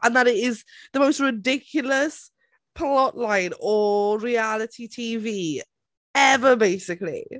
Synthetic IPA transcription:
ʔə̃nðəɾɪtɪzðəmoʊstɹɪdɪkʰjəl̩ˠəs | pʰlɔʔlãɪ̃nəɹialɪtʰitʰiːviː | ɛvəbeɪsɪklḭ

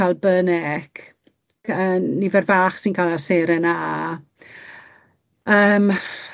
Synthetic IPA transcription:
alˠbənɛkʰ | ənivɛrvaːχsinkʰalˠaseːɾəna | əːm

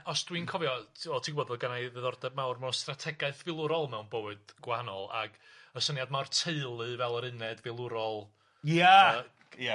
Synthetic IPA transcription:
ɔsd̥winkʰɔvjɔɔtʰiɡboːdɔɡanajðəðɔrdɛbmawrmɛwnstratʰɛɡaɨθvɪlˠʊɾɔlˠmɛwnbowɨd̥ɡ̥wahanɔ̰lˠa̰ɡ̥əsənjadmawrtʰeɨlˠɨvɛlˠəɾɨnɛdvɪlˠʊɾɔlˠ | ja | ja

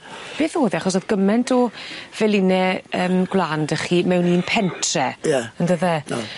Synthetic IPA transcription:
b̥eːθoːðiaχɔsɔðɡ̥əmɛntʰɔv̥ɛlˠɪnɛəːmɡwlˠandəχiːmɛwniːnpʰɛntʰrɛjaəndəðɛ̰

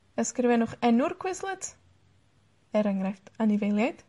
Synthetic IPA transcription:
əskrɪvɛnʊχɛnʊrkʰwɪslˠət | ɛɾaŋɾɛftanɪvejlˠjajd̥

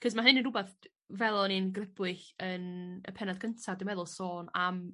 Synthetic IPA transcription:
kʰəs̬maɦɨnənubaθ | vɛlˠɔninɡrɪbwɨɬənə̰pʰɛnadɡʰəntʰadɪmɛðʊlˠsoːnam

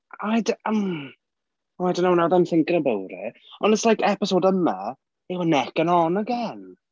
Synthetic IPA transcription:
ajdəm | wɛdənownawðɛnɬɪŋkɾəbəwɾḭɔ̰nəslajkʰɛpɪsoːdəma̰ | ewənɛkənɔnəɡɛn

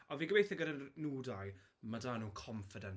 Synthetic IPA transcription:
ɔviːɡəbejθɛɡəɾənuːdajmadaːnuːkʰɔɱfɪdən

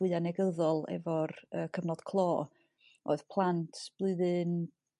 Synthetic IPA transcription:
ɨanɛɡəðɔlˠɛ̰vɔrəːkʰəvnɔd̥kʰlˠɔː | o̰ːɨðpʰlˠantʰb̥lˠɨðɨn

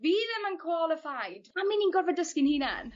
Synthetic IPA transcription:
viːðəmənkʰwɔlˠɪfajd̥aminiːnɡɔvɔdəskɪnhiːnɛ̰n

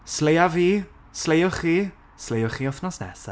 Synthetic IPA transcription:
slejaviː | slejʊχiː | slejʊχiːɔfnɔsnɛ̰sa̰

